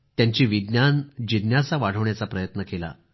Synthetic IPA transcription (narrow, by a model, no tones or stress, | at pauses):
t̪jaɲt͡ɕiːʋid̪njand͡ʑid̪njasaʋaɽ̤əʋɳjat͡sapɾəjət̪nəkela̰